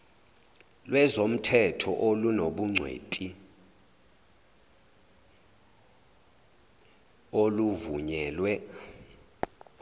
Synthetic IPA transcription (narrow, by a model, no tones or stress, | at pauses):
lwɛzom̩tʰɛtʰɔʔolunoɓuŋ͡ǀʱwḛtʼi | oluvuɲɛːlwɛ